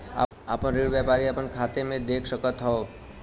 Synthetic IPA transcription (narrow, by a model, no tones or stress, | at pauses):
a̰ | a̰pəɳɾiɽʋjapaɾiapəɳkʰat̪emẽd̪ekʰʃəkət̪ɦɔo